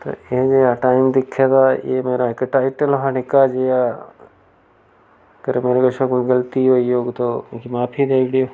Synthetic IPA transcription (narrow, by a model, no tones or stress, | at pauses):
t̪o̰ɪɦd͡ʒeːaʈaːɪmd̪ɪkʰːet̪aːḭemeːɾaɪkʈaːɪʈəlɦanɪkad͡ʒejaː | kəɾmeːɾekəʃʰõkːɡəlt̪ijoijoːɡt̪okimaːpʰiːd̪eːʋɽijoː